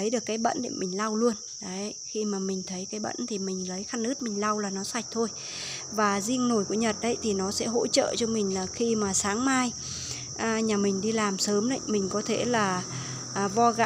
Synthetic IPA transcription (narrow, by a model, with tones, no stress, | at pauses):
ə˨˦jɗɨ˨˩əkːaː˨˦jɓə̰˧˨nɗḛ˧˨˩mï˨˩ŋ̟la˧wlu˧ən | ə˨˦˧xi˧maː˨˩mï˨˩ŋ̟t̪ʰə˨˦jkaː˨˦jɓə̰˧˨nt̪ʰi˨˩mï˨˩ŋ̟lə˨˦jxa˧nʔɨ˦˥t̚mï˨˩ŋ̟la˧wlaː˨˩nɔ˨˦sa˨˩jk̚t̪ʰo˧j | vaː˨˩zi˧əŋno˨˧˩jku˧˩əɲə˨˩t̚ɗə˨˦jt̪ʰi˨˩nɔ˨˦sɛ̰˧˥ɦo̰˧˥t͡ɕə̰ː˧˨t͡ɕɔ˧mï˨˩ŋ̟laː˨˩xi˧maː˨˩saː˨˦ŋmaː˧j | ʔːɲaː˨˩mï˨˩ŋ̟ɗi˧laː˨˩msəː˨˦mɗə̰˧˦jmï˨˩ŋ̟kɔ˨˦t̪ʰe˧˩laː˨˩ | ʔvɔ˧ɣa̰˧˨